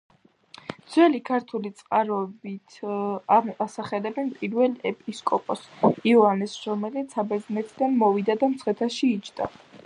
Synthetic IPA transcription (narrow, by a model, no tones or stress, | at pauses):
d̪z̥wɛlikʰaɾt̪ʰulit̪sʼqʼaɾɔbit̪ʰaasaχɛlɛbɛnpʼiɾvɛlɛpʼiskʼɔpʼɔsiɔanɛsɾɔmɛlit̪sabɛɾd̪znɛt̪ʰid̪anmɔvid̪ad̪amt̪sχɛt̪ʰaʃiːt͡ʃʰd̪̥a̰